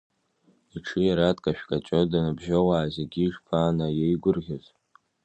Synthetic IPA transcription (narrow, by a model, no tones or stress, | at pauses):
iʈ͡ʂʰɨjaɾatʼkʼaʃᶣkʼat͡ʃʷʼodanabʒowaːzeɡʲiʐpʰaːnajejɡʷʊrʁʲoz